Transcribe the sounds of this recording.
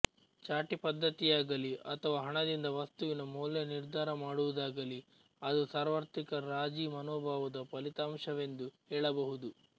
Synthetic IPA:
t͡ʃaːʈipɐd̪ʱːɐt̪ijaːɡɐliʔɐ̰t̪ʰɐʋaːɦɐɳɐd̪ind̪ɐʋɐst̪uʋinɐmuːljɐniɾd̪ʱaːɾɐmaːɽuʋud̪aːɡɐli | ɐd̪usaːɾʋɐɾt̪ikɐɾaːd͡ʒiːmɐnɔːbʱaːʋɐd̪ɐpɐlit̪aːmʂɐʋe̞nd̪uhɛːɭɐbɐɦud̪u

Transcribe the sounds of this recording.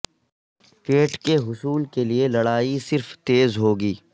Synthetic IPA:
peːʈkeɦʊsuːlkelielɐɽaːisɪɾft̪eːzɦoːɡiː

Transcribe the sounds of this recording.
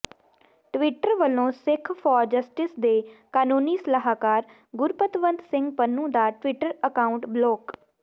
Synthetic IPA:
ʈʋɪʈəɾʋəlõːsɪkʰfʰɔːɾd͡ʒəsʈɪsd̪eːkaːnũːniːsələɦaːkaːɾ | ɡʊɾpət̪ʋənd̪sɪ̃ŋɡpənːũːd̪aːʈʋɪʈəɾəkaːʊɳʈbloːk

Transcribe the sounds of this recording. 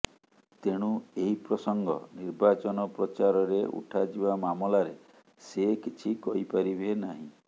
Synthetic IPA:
t̪eɽ̃ueɦipɾɔsɔŋɡɔ̰niɾbat͡ʃɔnɔpɾɔt͡ʃaɾɔɾeʔṵʈʰad͡ʒibamamɔlaɾe | sekit͡ʃʰikɔɦipaɾibʱenaɦĩ

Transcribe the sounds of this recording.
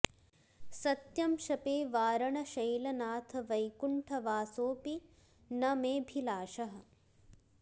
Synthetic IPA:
sɐt̪jɐmʃɐpeːʋaːɾɐɳɐʃɐjlɐnaːt̪ʰɐʋɐjkuɳʈʰɐʋaːsoːpi | nɐmeːbʱilaːʃɐɦɐ̆

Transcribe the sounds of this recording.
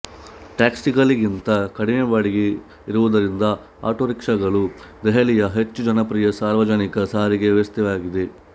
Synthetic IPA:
ʈaːksikɐliɡint̪ɐkɐɽineʋaːɽiɡe | iɾuʋud̪ɐɾind̪ɐ | a̰ːʈoːɾikʂɐɡɐɭu | d̪ɛɦɐlijɐɦet͡ʃːud͡ʒɐnɐpɾijɐsaːɾʋɐd͡ʒɐnikɐsaːɾiɡe̞ʋɛʋɐst̪ɛʋaːɡid̪e̞

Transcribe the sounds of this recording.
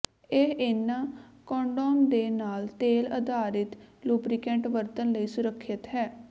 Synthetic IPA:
eɦenːãːkɔ̃ːɳɖoːmd̪eːnaːlt̪eːlə̰d̪aːɾɪt̪luːbɾɪkɛ̃ɳʈʋəɾt̪ənləiːsʊɾəkʰːɪt̪ɦɛː

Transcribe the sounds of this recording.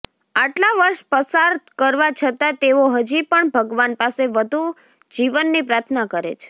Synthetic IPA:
aʈlaʋəɾʃpəsaɾkəɾʋat͡ʃʰət̪at̪eoɦəd͡ʒipəɳbʱəɡʋanpaseʋəd̪ʱu | d͡ʒiʋənːipɾaɾt̪ʰnakəɾḛt͡ʃʰe̥

